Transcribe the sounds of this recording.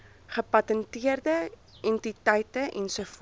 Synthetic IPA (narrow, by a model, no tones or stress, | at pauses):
χəpɐtəntiərdə | ɛntitɐjtəʔɛnsəf